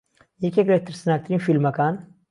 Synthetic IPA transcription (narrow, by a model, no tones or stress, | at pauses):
jekeklet̪ʰːɾsnaːk̚t̪ɾiːnfilmɐkaːn